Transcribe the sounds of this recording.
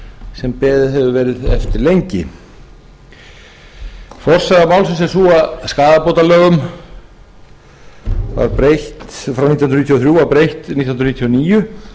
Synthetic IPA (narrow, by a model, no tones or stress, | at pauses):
sɛmpɛːðɪɦɛvʏvɛːɾɪðɛ̰ft̪ɪɾlejɲcɪ̰ | fɔr̥saðamaːwlsɪnsɛsuːaskaːðapowt̪alœːɣʏm | va̰ɾpɾejht̪fɾawnit̪j̪nɾnit̪jɔθɾjuːawpɾejht̪nit̪j̪nɾnit̪ʰːjɔniːjʏ